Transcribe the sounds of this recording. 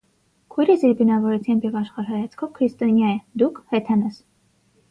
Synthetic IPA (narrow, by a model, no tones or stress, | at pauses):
kʰujɾɛsiɾbinɑvɔɾɛt͡s̪ʰjɑmbjɛvɑʃχɑɾɦɑjɑt͡sʰkʰɔvkʰɾist̪ɔnjɑjɛd̪ukʰhɛt̪ʰɛnɛs